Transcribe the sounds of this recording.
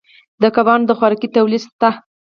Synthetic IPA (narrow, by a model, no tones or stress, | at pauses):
d̪əkabɑnd̪əxwaɾɑkit̪awlist̪a